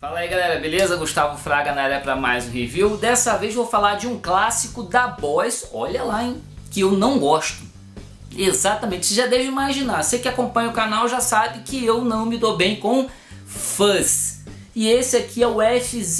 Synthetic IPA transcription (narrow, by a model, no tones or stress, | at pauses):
falɐiɡalɛɾɐbelezɐɡuʃt̪avʊfɾaɡɐnɐaɾɐpɾɐma̰jzʊ̃heviwd̪ɛsɐvejzvowfalaɾd͡ʒɪũklasikʊd̪ɐbɔjsɔʎɐlaẽ | kɪewnɐ̃w̃ɡɔʃt̪ʊ̥ | ezat̪ɐmẽnt͡ʃɪ̥sɪʒad̪eʒimajzʒinasekɪakõmpɐ̃ɲʊʊkanawʒasabɪkɪewnɐ̃w̃mɪd̪obẽj̃kõw̃ | fɐs | ɪesɪakʰiɛʊɛfi